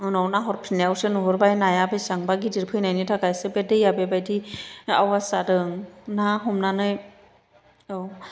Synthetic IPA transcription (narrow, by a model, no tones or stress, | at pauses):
ɯnɔwnaɦɔɾpʰinlejawsɯnuɦɔɾbajnajabejsaŋbaɡidiɾpʰɯjnajnitʰaɡajsɯbedɯjabebajdia̰wasadɯŋnaɦɔmnanɯj | ɯw